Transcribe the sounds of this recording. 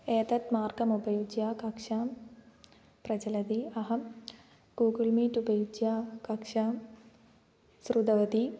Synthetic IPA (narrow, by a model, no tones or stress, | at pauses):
eːt̪ɐt̪maːrɡɐmubɐjud͡ʒjaːkɐkʂaːm | prɐd͡ʑɐlɐd̪iɐɦɐm | ɡuːɡɐlmiːtubɐjud͡ʒjaːkɐkʂaːm | srud̪ɐʋɐd̪i